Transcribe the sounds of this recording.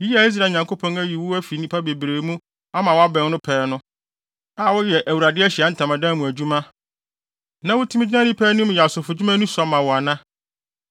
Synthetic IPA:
ji˦a˨˦i˦s̬ɾa˨ɲã˨ŋkʰo˦pʰɔ̃˦ŋæ˦ji˨wʊ˦æ˦fi˨nĩ˦pʰa˦be˨bɾeː˨˦mũ˦ | a˦mã˨wa˦bɛ̃˨˦n˦nʊ̃˦pʰɛː˨˦nʊ̃˦ | a˨˦˨wʊ˦jɛ˨ʔæ˨wu˨ɾa˨dɪ˦ɛ˦ɕi˨a˨˦n̩˦tʰã˨mã˨dã˦mũ˨æ˨d͡ʑu˦mã˦ | nã˦wʊ˦tʰi˦mɪ˦d͡ʑɪ˦nã˦nĩ˦pʰɛː˦nʊ̃˦m˨jɛ˨a˨sʊ˨fʊ˨d͡ʑu˦mã˦nũ˦sa˦mːã˨wɔ˨a˨nã˦

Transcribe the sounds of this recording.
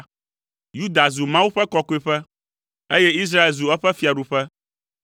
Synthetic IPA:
ju˦d̪a˨zu˨mã˦wu˦ɸɛ˦kɔ˦ko˦i˦ɸɛ˦ | e˦jɛ˦i˦s̬ɾa˦e˨lzu˨ɛ˦ɸɛ˦fi˨a˨ɖu˨ɸɛ˦

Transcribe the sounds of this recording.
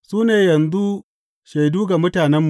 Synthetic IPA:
suː˦neː˨jɐ˨nzu˦ | ʃe˨jduː˦ɡa˨mʊ˦taː˨nɛ˦mːu˨

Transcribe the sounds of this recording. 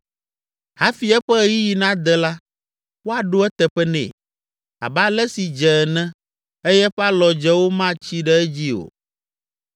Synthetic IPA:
ha˦fi˨ɛ˦ɸɛ˦ji˦ji˨nã˦d̪ɛ˦la˦ | wo˦a˨ɖo˦ɛ˦t̪ɛ˨ɸɛ˦nɛ̰̃˨ | a̰˨ba˦lɛ˦si˨d͡ʒɛ˨nɛ̃˦ | e˦jɛ˦ɸɛ˦a˦lɔ˨d͡ʒɛ˦wo˦mã˦t͡ɕi˦ɖɛ˦ɛ˦d͡ʑi˦o̰˨

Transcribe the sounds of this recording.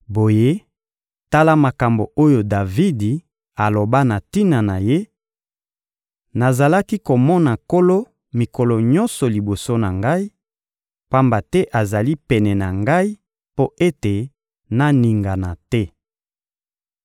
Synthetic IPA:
bo˨je˦ | ta˦la˦ma˨ka˨mbo˨o˦jo˨da˨vi˦di˨ | a˨lo˨ba˦na˨ti˦na˨na˨je˦ | na˨za˨la˦ki˦ko˨mɔ˦na˨ko˦lo˦ | mi˨kɔ˨lɔ˨ɲɔ˦nsɔ˨li˨bo˨so˦na˨ŋɡa˦i˦ | pa˦mba˨tɛ˦ʔa˨za˨li˦pɛ˨nɛ˨na˨ŋɡa˦i˦ | po˦ʔe˦te˨ | na˦ni˨ŋɡa˨na˨tɛ˦

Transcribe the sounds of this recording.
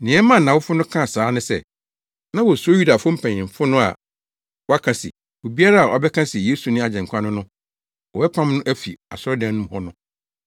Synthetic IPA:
nɪ̃˨ɛ˦mã˦n̩˨nã˨wʊ˦fʊ˦nʊ̃˦kʰã˦˨saː˨˦nʊ̃˦sɛ̰˦˨ | nã˦wɔ˨so˦ju˦da˨fʊ̃˦m̩˦pʰæ̃˨ɲɪ̃˨m˨fʊ˦nʊ̃˦a̰˨ | wɔ˦a˦kʰã˦sḭ˨ | o˨bi˦a˦ɾa˦a˨ʔɔ˨bɛ˦kʰã˦sɪ˨ɛ˨jeː˦su˨nɪ̃˦a˨d͡ʑɛ̃˨ŋ˨kʰa˦nʊ̃˦nʊ̃˦ | wɔ˨bɛ˦pʰã˦mnʊ̃˦ʔæ˦fi˨a̰˨sʊ˦ɔ˦dã˦n˦nũ˦mhɔ˦nʊ̃˦

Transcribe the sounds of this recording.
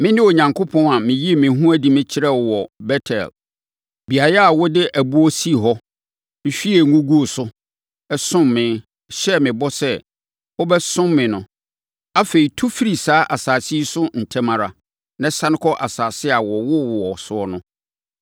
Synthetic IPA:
mɪ̃˦nɪ̃˦o˨ɲã˨ŋkʰo˦pʰɔ̃˦na˨mɪ̃˨ji˦e˦˨mɪ̃˨˦ɦũ˦æ˦di˨˦mɪ̃˦t͡ɕʰɪ˦ɾɛ˦˨wɔ˨bɛ˦tʰɛ̰˨l | bi˨a˨ja˦a˨wɔ˦dɪ˦ʔæ˨bu˦ɔ˦si˦˨ɦɔ˦ | mɪ̃˨ɕᶣi˦e˨ŋũ˦ɡu˦o˨sʊ˦ | ɛ˦sʊ̃˦mːɪ̃˨˦ | ɕɛ˦mɪ̃˨bɔ˦sɛ˦ | wɔ˦bɛ˦sʊ̃˦mmːɪ̃˨nʊ̃˦ | a˦fe˨ɾi˨tʰu˦fi˦ɾi˨saː˨˦ʔa˨saː˨si˦sʊ˦n̩˨tʰɛ˦mã˨ɾa̰˨ | nã˦sã˦n˦kʰɔ˦ʔa˨saː˨sɪ˦a˨wɔ˨wʊ˦wwɔ˨sʊ˦ɔ˦nʊ̃˦

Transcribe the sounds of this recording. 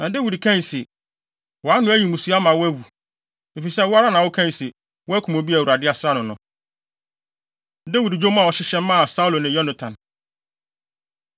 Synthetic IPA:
nã˨de˦wi˨dkʰɛ̃˦n˨sɪ˨ | wɔ˨a˦nʊ̃˦æ˦ji˨mũ˨su˦a˦mã˨wæ˦wu˨ | me˨fi˨sɛ˦wɔ˦a˦ɾa˦nã˨wʊ˦kʰɛ̃˦n˨sɪ˨ | wɔ˦æ˦kʰũ˨mõ˨bi˦æ˨wu˨ɾa˨dɪ˦a˦sɾa˦nʊ̃˨nʊ̃˦ | de˦wi˨dd͡ʑo˦mã˨wɔ˨ɕɪ˦ɕɛ̃˦m˦mã˦a˨sa˦u˦lo˨nɪ̃˨jɔ˦na˨tʰã˨n

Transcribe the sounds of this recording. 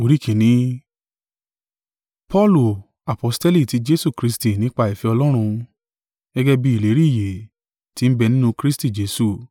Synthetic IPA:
o˨˧ɾi˦kʰĩ˨nĩ˨˦ | pɔ˦˨lu˨ | a˨pɔ˧ste˦li˦˨ti˨˦d͡ʒe˦su˦˨kɾi˦sti˨nĩ˦k͡pa˧˨i˨fɛ˨˧ɔ˧lɔ˦ɾ̃ũ˧ | ɡ̥ɛ˦ɡɛ˦bi˦i˨le˨˦ɾi˦˨je˨ | ti˧n̩˦bɛ˧nĩ˦nũ˦kɾi˦sti˦˨d͡ʒe˨˦su˦˨

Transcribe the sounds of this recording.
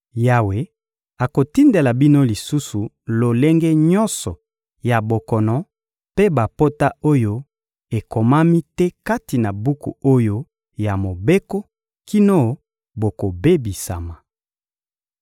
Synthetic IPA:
ja˨we˨ | a˨ko˨ti˦nde˨la˨bi˦no˦li˨su˦su˨ | lo˨le˦ŋɡɛ˦ɲɔ˦nsɔ˨ | ja˨bo˨kɔ˨nɔ˨ | pe˦ba˨po˦ta˦o˦jo˦ | e˨ko˨ma˦mi˦tɛ˦ka˦ti˨na˨bu˦kṵ˨o˦jo˦ | ja˨mo˨be˦ko˦ | ki˦no˦ | bo˨ko˨be˦bi˨sa̰˨ma˨

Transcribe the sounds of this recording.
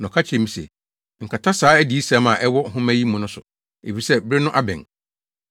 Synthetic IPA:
nɔ̃˨kʰa˦t͡ɕʰɛ̃˨mĩ˨sɛ̰˨ | ŋ̩˨kʰa˨tʰa˦saː˨˦æ˦di˨˦i˦sa˨˦mã˨ʔɛ˦wɔ˦ɦʊ̃˦mæ̃˦ji˦mʊ̃˨nʊ̃˦sʊ˨ | e˨fi˨sɛ˦bɾɪ˦nʊ̃˦ʔa˦bɛ̰̃˨ŋ

